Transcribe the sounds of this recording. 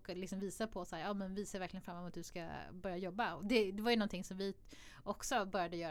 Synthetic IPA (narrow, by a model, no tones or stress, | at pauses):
k̪ːlɪksɔmviːsapʰɔsæːɾjɑːmɛnviːsaɾvæɾklɪɡənfɾamːɛmuːt̪̚d̪ɵska̰bœɾjajɔbːaɔd̪ɛd̪ɛvaɾjɵnɔnt̪ʰɪŋsɔmvɪ | ʔɔksɔbœɾjad̪əjœːɾ